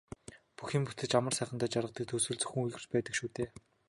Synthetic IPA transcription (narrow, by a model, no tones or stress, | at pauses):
puxiːmput̪ɘ̆t͡ɕamə̆rsæːχə̆nt̪æːt͡ɕaɾʁə̆t̪ĭːk̚t̪ʰɵsɵ̆ɮt͡sɵ̥xɘ̆ŋujɣɘ̆t͡ɕpæːt̪ə̆kʃuːt̪eː